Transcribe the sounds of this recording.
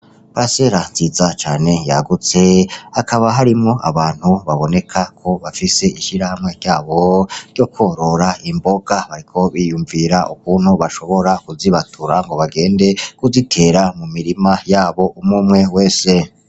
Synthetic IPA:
pɾaseɾanz̥iːzat͡ʃaːne̞ja̰ɡut͡se̞akʰaβaɦaɾimŋo̞ʔa̰βaːn̥huβaβo̞ne̞kʰakʰo̞βafise̞iʃiɾahamŋe̞ɾɟaːβo̞ɾɟo̞kʰoɾo̞ɾaimbo̞ɡaβaɾikʰo̞βijuɱviːɾaʔuk̚uːnhuβaʃo̞βo̞ɾakuziβatʰuɾaŋɡo̞βaɡe̞ːnde̞kuzitʰe̞ɾamumiɾimajaːβo̞ʔumŋumŋe̞we̞ːse̞

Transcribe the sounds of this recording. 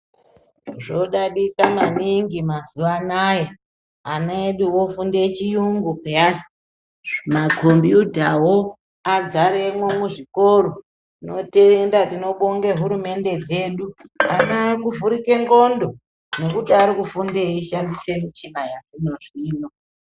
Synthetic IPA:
ʐoɗaɗisamaniŋɡimazuʋanaje | anoeɗuwo̞fundet͡ʃijuŋɡukea | makʰo̞mbjutawo | ad͡zaɾemwemwuʐikoɾo | ino̞tendatino̞ɓoŋɡe̞ɦuɾume̞nde̞d͡ze̞ːɗuanakuvuɾike̞ŋɡo̞ndo̞ | ne̞kutiaɾikufundeiʃandise̞mit͡ʃinajakuno̞ʐiːno̞

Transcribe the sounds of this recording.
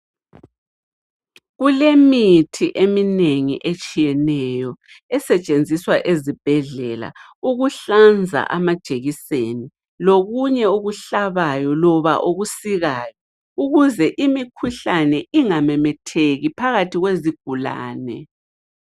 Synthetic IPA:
ɣulemitʰiʔemineŋḭʔet͡ʃʼijɛnɛjɔ | ɛsɛt͡ʃʼend͡zʱiswaʔezib̥ʱɛɮɛla̰ | uɣuɬand͡zʱa̰ʔamad̥ʒ̥ʱeɣiseni | loɣuɲɛuɣuɬaβajɔlɔβa̰ʔoɣusiɣaːjɔ | uɣuzɛʔimikʰuɬanɛʔiŋamɛmɛtʰeɣipʰaɣatʰiɣweziɡ̥ʱula̰ːnɛ̰

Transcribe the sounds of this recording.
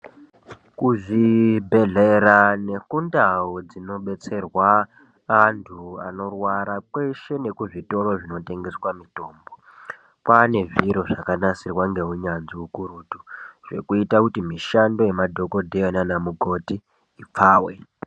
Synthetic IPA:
kuʐibʱe̞ɮe̞ɾane̞kundawod͡zino̞ɓe̞t͡se̞rwaː | ntʰua̰no̞rwaɾakwe̞ʃe̞ne̞kuʐito̞ro̞ʐino̞te̞ŋɡe̞swamito̞ːmbo̞ | kane̞ʐiɾo̞ʐakanasirwaŋɡe̞ɦuɲanziukuɾuːtuʐ̥e̞̰kuitakutimiʃando̞jemadʱo̞ko̞dʱejonanamuɡʱo̞tiː | p͡faːwe

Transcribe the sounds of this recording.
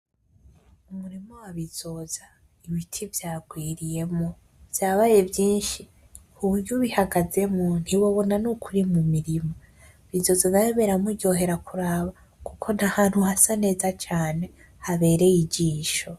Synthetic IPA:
umuɾimowaβiz̥o̞ːza | iβitʰivjaːɡwiːɾije̞mo | v̥jaːβaje̞vjiːnʃi | uβuɾɟuβihaɡaze̞mon̥hiβoβo̞nanukʰuɾimumiɾimo | βizo̞zanajeβeɾamuɟo̞ːɦe̞ɾakʰuɾaːβa | kukʰo̞n̥ahaːn̥huhasane̞ːzat͡ʃaːne̞ | haβe̞ːɾe̞jiɟiːʃo̞

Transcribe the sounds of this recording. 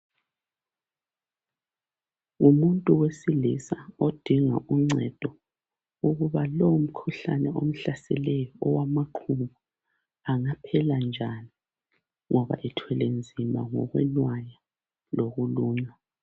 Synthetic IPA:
umuntʼuwesilḭsaod̥ʱiŋa̰ʔuŋ͡ǀʱɛd̥ʱɔ | uɣuβaloum̩kʰuɬanɛom̩ɬasɛlɛjɔɔwamaǃʰuβu | aŋapʰɛland͡ʒʱani | ŋʔɔβa̰ʔɛtʰwɛlend͡zʱima̰ŋɔ̰ɣwɛ̰nwaja | loɣuluːɲa

